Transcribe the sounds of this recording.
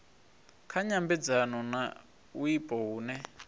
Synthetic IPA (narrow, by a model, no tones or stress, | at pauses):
kʰaɲambɛd͡zanɔna | uipʼɔɦuːnɛ